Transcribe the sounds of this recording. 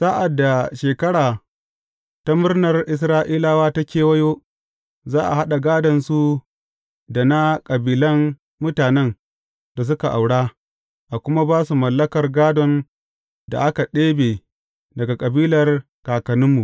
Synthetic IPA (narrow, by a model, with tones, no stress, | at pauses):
saː˦ʔa˨dːa˨ʃeː˨kɐ˦ɽaː˨ | ta˦mʊ˦rnɐ˨rʔɪ˨s̬ɾaː˦ʔiː˦la˨waː˦ta˦kʲeː˨wɐ˦joː˦ | zaː˦ʔa̰˨ɦa˦ɗa˨ɡaː˦dɐ˨nsu˦ | da˨na˦kʼɐ˨biː˦lɐ˦n | mʊ˦taː˨nɛ˦n | da˨s̬ʊ˦ka˨ʔa˨wɽaː˦ | ʔa˨kʷʊ˦ma˦baː˦su˨mɐ˨lːɐ˦kɐ˨rɡaː˦dɔ˨n | da̰˨ʔa˦ka˨ɗeː˦beː˨ | dɐ˨ɡa˨kʼɐ˨biː˦lɐ˨r | kaː˨kɐ˨nʊ˦mːu˨ʔ